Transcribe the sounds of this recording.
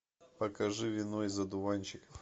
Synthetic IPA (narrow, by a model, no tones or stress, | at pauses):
pɐkɐʐɨvʲɪnojzɐd̪ʊvanʲt͡ɕɪk